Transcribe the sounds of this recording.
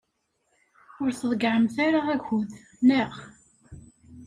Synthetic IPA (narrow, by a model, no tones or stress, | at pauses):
ʊɾθəðˤɡʕəmθaɾaʁæɡuð | næʁ